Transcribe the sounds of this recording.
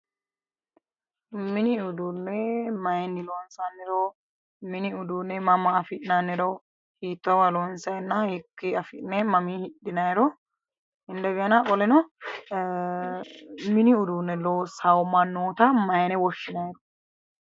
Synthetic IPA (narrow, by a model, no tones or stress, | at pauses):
mɪnɪʊd̪unːɛmɐjnːɪloːnsɐnːɛɾɔ | mɪnɪʊd̪uːnːɛmɐmɐːfɪʔnanːɪɾɔw | hiːt̪ːɐwɐloːnsɐjɛnːɐhɪkːiɐfɪnɛmɐmiːhɪɗːɪnɐjɛɾɔ | hɪnd̪ɛɡɛnakʼɔlɛnɔ | mɪnɪʊd̪uːnːɛloːsɐwmɐnːoːt̪ɐmɐjnɛwɔʃːɪnɐɾɔ̥